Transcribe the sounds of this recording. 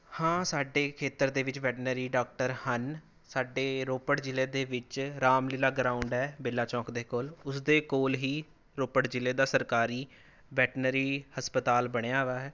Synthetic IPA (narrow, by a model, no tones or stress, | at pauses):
hãːsaːɖeːkʰeːt̪əɾd̪eːʋɪt͡ʃʋɛːʈnəɾiːɖaːk̚ʈəɾhən | saːɖeːɾoːpəʈd͡ʒɪleːd̪eːʋɪt͡ʃɾaːmlɪlaːɡɾaːʊɳɖɦɛːbɪlːaːt͡ʃɔ̃ːkd̪eːkoːlʊsd̪eːkoːlɦiː | ɾoːpəɽd͡ʒɪleːd̪aːsəɾkaːɾiː | ʋɛːʈnəɾiːhəspət̪aːlbəɽ̃ejaːɦʋaːɦɛː